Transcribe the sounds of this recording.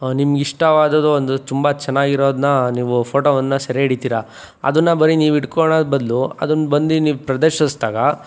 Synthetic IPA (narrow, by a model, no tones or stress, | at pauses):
nimɐɡiʂʈɐʋaːd̪ɐd̪uond̪ut̪umbɐt͡ʃɛnːaːɡiɾo̞ːd̪nɐniːʋupʰoːʈoːʋɐnːɐsɐɾeiɽit̪iːɾa | ɐ̰d̪ɐnːɐbɐɾiniːʋiʈkoɳabɐd̪luɐ̰d̪unbɐnd̪iniːʋupɾɐd̪eɾʃɐsd̪aːɡɐ